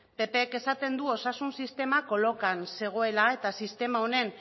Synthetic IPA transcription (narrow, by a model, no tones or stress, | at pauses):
pe̞pe̞ːke̞sat̪e̞nd̪uo̞sasunsist̪e̞mako̞lo̞kanse̞ɣ̞o̞e̞lae̞t̪asist̪e̞mao̞ne̞n